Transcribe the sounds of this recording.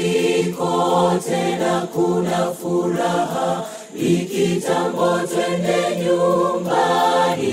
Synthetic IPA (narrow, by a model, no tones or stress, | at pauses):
kɔtɛnakunafuɾaɦa | ikitambɔtwɛndɛɲombani